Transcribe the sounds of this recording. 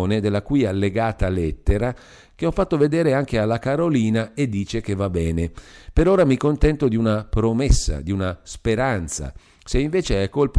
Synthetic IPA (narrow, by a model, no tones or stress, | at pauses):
ned̪elːakujalːeɡaːt̪alɛt̪ːeɾa | k̟eɔfːat̪ːoved̪eːɾeaŋkealːakaɾoliːnaed̪ːiːt͡ʃek̟evabːɛːnepeɾoːɾamikont̪ɛnt̪od̪iunapɾomɛsːa̰d̪iunaspeɾant̪sa̰ | seiɱveːt͡ʃeɛkːolp